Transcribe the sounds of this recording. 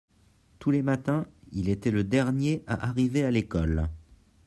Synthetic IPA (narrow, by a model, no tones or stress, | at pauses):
t̪ulemat̪ɛ̃ilet̪ɛləd̪ɛʁnjeʔa̰ʔaʁivealekɔl